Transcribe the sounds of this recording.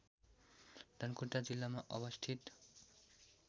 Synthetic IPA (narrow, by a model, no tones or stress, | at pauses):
d̪ʱʌnkuʈad͡zilːamaʔʌbʌst̪ʰit̪